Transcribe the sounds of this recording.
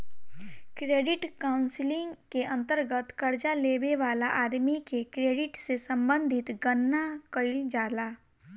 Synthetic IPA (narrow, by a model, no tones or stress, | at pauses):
kɾeːɖɪʈkaːʊ̃nsɪlɪ̃ŋɡkeʔɐ̃nt̪əɾɡət̪kəɾd͡ʒaleːbeʋaːlaʔaːd̪mikekɾeːɖɪʈsesə̃mbə̃nd̪ʱɪt̪ɡənːakəɪld͡ʒaːlaː